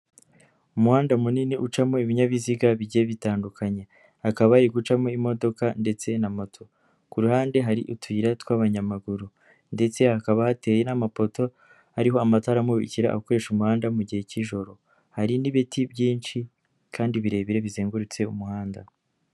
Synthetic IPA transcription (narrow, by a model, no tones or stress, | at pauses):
umuhaːndaumuniniʔut͡ʃamo̞iβiɲaβiziɡaβiɟieβitaːndukʰaɲe̞ | hakaβaiɡut͡ʃamo̞imo̞do̞kande̞t͡se̞namotʰo̞ | kuɾuhaːnde̞ɦaɾiʔutwiːɾatwaβaɲamaɡuɾu | nde̞t͡se̞hakaβahate̞ːje̞namapo̞to̞ | aɾiɦo̞amataɾamuḭciɾa̰ːko̞ɾe̞ʃumuhaːndamuɟihe̞ciʒo̞ɾo̞ | haɾiniβitibjiːnt͡ʃi | kʰaːndiβiɾe̞ːβiɾe̞βizeːŋɡuɾut͡se̞umuhaːnda̰